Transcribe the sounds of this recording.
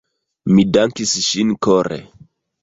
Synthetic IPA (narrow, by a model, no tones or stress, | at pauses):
midaŋkisʃinkoɾḛ